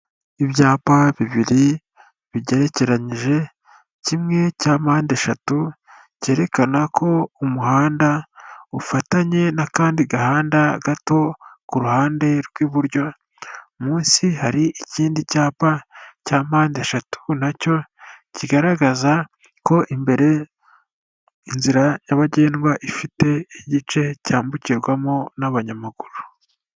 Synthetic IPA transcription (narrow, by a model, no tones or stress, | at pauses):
iβjaːpaβiβiɾi | βiɟe̞ɾe̞ce̞ɾaɲiʒe̞ | cimŋe̞caːmaːndeʃatu | ce̞ːɾe̞kanakʰo̞umuhaːndaufataɲe̞nakaːndiɡahaːndaɡato̞kuɾuhaːnde̞ɾɡwiβuɾjo̞ | muːnsihaɾiʔiciːndicaːpacaːmaːndeʃatʰu̥naco̞ciɡaɾaɡaza | ko̞ʔimbe̞ɾe̞ | inziɾajaβaɟe̞ːnɡwaʔifite̞iɟit͡ʃe̞caːmbuciɾɡwamonaβaɲamaɡ̥uɾu